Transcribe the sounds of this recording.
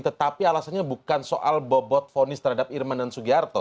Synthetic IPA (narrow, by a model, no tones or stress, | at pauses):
t̪ət̪apialasanɲabukkansoʔa̰lbɔbɔt̪̚fonɪst̪əɾhadap̚irmandansuɡiart̪ɔ